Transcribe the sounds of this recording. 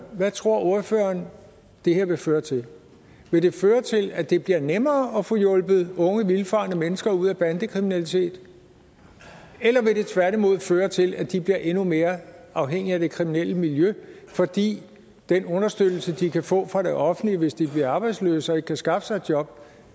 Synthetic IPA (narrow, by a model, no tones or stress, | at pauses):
ʋæt͡sʰʁo̝ɐ̰o̝ɐføːɐn | d̥e̝heɐ̰ʋe̝føːɐt͡sʰe̝l | ʋe̝d̥e̝føːɐt͡sʰe̝læd̥e̝b̥liɐnemɐːɒ̽fɔ̽jɔ̽lb̥ð̩ˠɔ̽ŋəʋilfɑ̈nəmenəsɡ̥ɐuð̞̰ˠæb̥ænd̥əkʰʁiminælit͡sʰe̝̰ːd̥ | elɐʋe̝ɾe̝t͡sʰʋæɐɾ̥imo̝ð̞̰ˠføːɐt͡sʰe̝læd̥ib̥liɐʔe̝nume̝ːɐʔɑ̈ʊɦeŋ̰iæd̥e̝kʰʁiminel̰əmiljø | fɒ̽d̥ḭː | d̥enɔ̽nɐsd̥ød̥l̩səd̥ikʰæfɔ̰̽ːfʁɑ̈ɾ̥eʔɒ̽fn̩liʋe̝sd̥ib̥liɐɑ̈ːb̥ɑ̈ɪd̥slø̰ːsɒ̽e̥kʰæsɡ̥ɑ̈fə̥sɑ̈ɪd̥jɒ̽b̥